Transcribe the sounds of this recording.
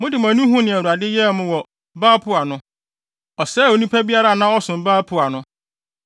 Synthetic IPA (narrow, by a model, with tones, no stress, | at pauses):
mʊ̃˦dɪ˨m˨æ̃˨nũ˦ɦũ˦nɪ̃˨æ˨wu˨a˨dɪ˦jɛ˦˨mʊ̃˦wɔ˨ | baː˦pʰʊ˦a˨nʊ̃˦ | ɔ˨sɛː˦˨o˨nĩ˦pʰa˦bi˦a˦ɾa˦˨nã˦ɔ˦sʊ̃˨m˨baː˦pʰʊ˦a˨nʊ̃˦